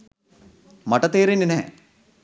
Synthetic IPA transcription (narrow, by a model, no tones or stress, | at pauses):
mɐʈɐt̪eːɾeninɛː